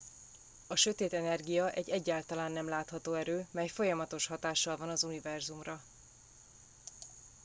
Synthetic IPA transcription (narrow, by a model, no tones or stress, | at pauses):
ɒʃø̞t̪eːt̪ɛnɛrɡijɒʔɛɟːɛɟːaːlt̪ɒlaːnːɛmlaːt̪hɒt̪oːɛɾøːmɛjfo̞jɒmɒt̪o̞ʃhɒt̪aːʃːɒlvɒnɒzunivɛrzumrɒ